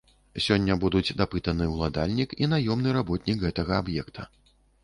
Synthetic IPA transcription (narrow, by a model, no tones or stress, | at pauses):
sʲɔnʲːɐbud̪ut͡sʲd̪apɨt̪ɐnɨwlˠad̪alʲnʲikin̪ajɔmnɨɾabɔt̪ʲnʲikɣɛt̪ɐɣɐabjɛkt̪ʰɐ